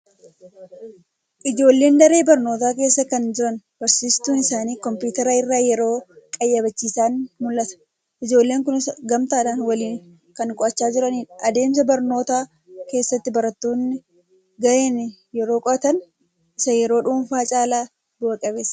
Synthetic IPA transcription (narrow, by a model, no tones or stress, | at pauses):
ʔɪd͡ʒo̞ːlːe̞ːnd̪ɐɾe̞ːbɐɾno̞ːt̪aːk̬e̞ːsːɐkɐnd͡ʒɪɾɐn | b̥ɐɾsiːst̪uːnɪsaːniːkɔmpuːt̪ɛɾaɪrːaːjɛɾo̞ːkʼɐjːɐbɐt͡ʃːiːsaːnmʊlːɐt̪ɐ̥ | ʔɪd͡ʒo̞ːlːeːŋkʊnɪsɐɡɐmt̪aːᶑɐnwɐliːŋ | kɐŋkʼɔɐt͡ʃːaːd͡ʒɪɾɐniːnɐd̪e̞ːmsɐbɐɾno̞ːt̪aː | ke̞ːsːɐt̪ːɪbɐɾɐt̪ːuːnːɪ | ɡɐʔeːn | jɛɾo̞ːkʼɔɐt̪ɐn | ɪsɐjɛɾo̞ːᶑuːɱfaːt͡ʃʼaːlaː | bʊʔɐkʼɐbe̞ːsːɐ̥